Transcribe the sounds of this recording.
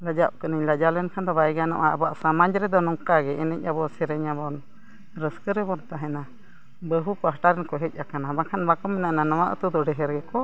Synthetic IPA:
lad͡ʒap̚kənəɲlad͡ʒalɛnkʰand̪ɔbajɡanɔ̰ʔaabaʔsamaɲd͡ʒɾɛd̪ɔnɔŋkaɡɛʔɛnɛc̚ʲˀabɔsɛɾɛɲabɔn | ɾəskəɾɛbɔnt̪aɦɛna | bəɦupaɦaʈaɾɛnkɔɦɛc̚ˀakanabakʰanbakɔmɛnaʔnanɔwaʔə̰t̪ud̪ɔɖɛɦɛɾɡɛkɔ

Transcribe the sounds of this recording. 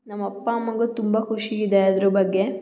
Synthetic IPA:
nɐmːɐpːaːɐmːɐɡɐt̪umbakʰuʂiid̪eɐd̪ɐɾɐbɐɡːe

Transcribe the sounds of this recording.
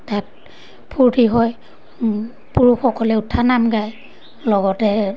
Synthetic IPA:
tat̚ | pʰuɹdiɦɔj | puɹuxɔkɔlɛutʰːanamɡaj | lɔɡɔtɛ

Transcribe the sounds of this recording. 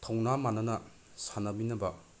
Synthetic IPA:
tʰɔwnamanɐnɐ | sanɐbinɐbɐ

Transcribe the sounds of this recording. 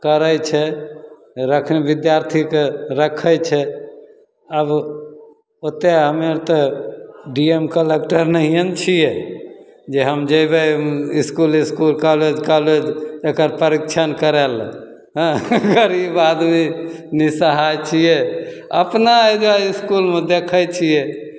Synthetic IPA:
kəɾət͡ʃʰɛ | ɾəkʰnebid̪jaɾt̪ʰikeɾəkʰəjt͡ʃʰɛ | əb | ot̪eɦəmeɾt̪ɔ | ɖiemkəlekʈəɾnəɦijənt͡ʃʰijɛ | d͡ʒeɦəmd͡ʒəjbeiskuliskulkaled͡ʒkaled͡ʒekəɾpəɾikt͡ʃʰənkəɾel | ɦə̃ɡəɾibad̪minisəɦajt͡ʃʰije | ə̰pnaed͡ʒaiskulmed̪ekʰət͡ʃʰijɛ

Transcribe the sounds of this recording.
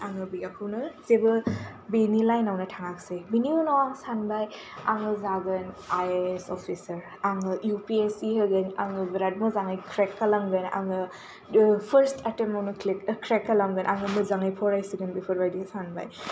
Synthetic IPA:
aŋɯbijakʰɯwnɯzebɯ | benilajnawnɯtʰaŋaksejbiniunɔaŋsanbaj | a̰ŋɯzaɡɯnajesɔpʰisɐɾ | aŋɯjupiesiɦɯɡɯna̰ŋɯbɾad̚mɯzaŋajkʰɾekːalamɡɯna̰ŋɯ | pʰəɾstʰatemawnɯkʰlekkʰɾekːalamɡɯnʔaŋɯmɯzaŋajpʰɔɾajsiɡɯnbipʰɔɾbajdisanba̰j

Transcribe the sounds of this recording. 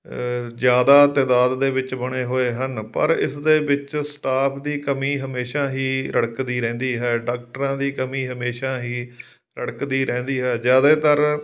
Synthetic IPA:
zjaːd̪aːt̪ɛːd̪aːd̪ːeːbɪt͡ʃbəɽ̃eːɦoːeːɦənpə̰ɾɪ̰sd̪eːbɪt͡ʃsʈaːpʰd̪iːkəmiːɦəmeːʃaːɦiːɾʔəɽkd̪iːɾɛ̃ːnd̪iːɦɛːɖaːkʈəɾãːd̪iːkəmiːɦəmeːʃaːɦiː | ɾəɽkd̪iːɾɛ̃ːnd̪iːɦɛːd͡ʒjaːd̪eːt̪əɾ

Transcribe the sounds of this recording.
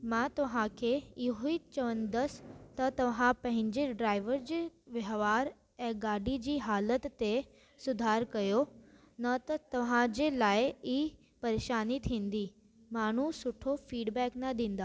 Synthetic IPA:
mãːt̪ɐʋ̤ãkʰeɪɦoit͡ɕɐʋənɪ̆d̪əst̪ɐt̪ɐʋ̤ãpɐ̃ɦɪ̃ɲd͡ʑeɖɾaːɪʋəɾd͡ʑeʋɐɦʋaːɾ | ɛ̃ːɡaːɖid͡ʑiːɦaːlət̪ːe | sʊd̪ʱaːɾkɐjo | nɐt̪ɐt̪ɐʋ̤ãd͡ʑeːlaːɪi | pɐɾeːʃaːnit̪ʰĩːn̆d̪iː | maːɳ̤usʊʈʰofiːɖbɛːknɐd̪ĩːn̆d̪aː

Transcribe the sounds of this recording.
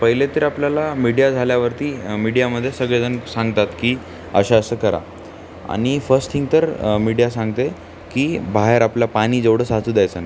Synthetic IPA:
pəɦilet̪iːɾapljalamiɽijad͡zʱaljaʋəɾt̪iːmiɽijaməd̪ʱːjesəɡɭed͡zənsãŋɡt̪at̪kiː | ə̰ɕaəsəːkəɾa̰ | a̰ɽ̃ifəɾsʈtʰiŋk̚t̪əɾmiɽijasãŋɡt̪e | kiːbaɦeɾapljapaɽ̃iːd͡zəʋɽ̤əsat͡suːd̪jajt͡səna

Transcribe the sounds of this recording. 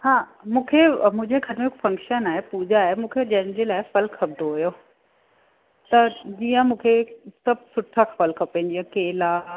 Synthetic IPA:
hãːmũːkʰemʊ̃ɦɪ̃ɲd͡ʑeɡʱɐɾmẽɦɪkfɐ̃ŋkʃənaːɦepuːd͡ʑaɦemũːkʰed͡ʑɐ̃ɦɪ̃nd͡ʑelaːɪfɐlkʰːɐb̚d̪ʱoɦujo | t̪ɐd͡ʑijə̃mũːkʰesɐb̚ʱsʊʈʰakfɐlkʰɐpẽnd͡ʑiːɐ̃keːla

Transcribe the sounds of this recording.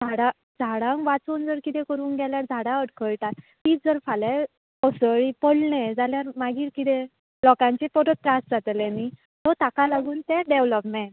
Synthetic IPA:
d͡zʱaɽã | d͡zʱaɽãŋkʋat͡suːnd͡zəɾkit̪ɛkəɾuːnɡɛljaɾd͡zʱaɽãəɽkʰəɭʈat̪ | t̪iːt͡sd͡zəɾfala | ɔsəɭipəɽɳed͡zaljaɾmaɡiːʈkit̪ɛ | lɔkãɲt͡ɕepɔɾɔt̪̚ːɾasd͡zʱat̪əlɛni | t̪ɔt̪akalaɡuːnt̪ɛɖeʋlɔpmẽʈ

